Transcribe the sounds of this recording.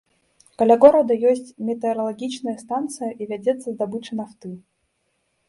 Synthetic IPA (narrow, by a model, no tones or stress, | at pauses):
kɐlʲaɡɔɾɐd̪ɐjɔsʲt͡sʲmʲɛt̪ɛɾɐlˠaɡʲit͡ʃnɐjɐst̪ant̪sɨjɐʔivʲad͡zʲɛt̪sːɐzd̪abɨt͡ʂɨnaft̪ɨ